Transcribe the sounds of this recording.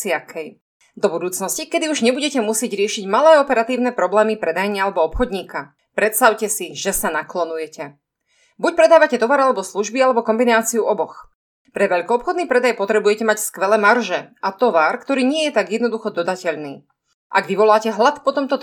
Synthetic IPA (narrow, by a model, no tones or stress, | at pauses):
iakʰɛj | d̪ɔbud̪uːt͡snɔscikɛd̪iuʒɲɛbuɟɛcɛmusɪɛɟɾɪɛʃiɟmalɛːɔpɛɾat̪iːʊnɛpɾɔblɛːmipɾɛd̪ajɲialɛbɔɔpxɔd̪ɲiːka | pɾɛt̪st̪aʊcɛsiʒɛsanaklɔnujɛcɛ | buc̚pɾɛd̪aːʋacɛt̪ɔʋaːɾalɛbɔsluʒbialɛbɔkɔmbinaːt͡siuʔɔbɔx | pɾɛʋɛʎkɔːpxɔd̪niːpɾɛd̪ajpɔt̪ɾɛbujɛcɛmacskʋɛlɛːmarʒɛʔat̪ɔʋaːɾkt̪ɔɾiːɲɪɛjɛt̪aɡjɛd̪nɔd̪uxɔd̪ɔd̪acɛʎniː | ʔa̰ɡʋiʋɔlaːcɛɦlat̪pɔt̪ɔmt̪ɔ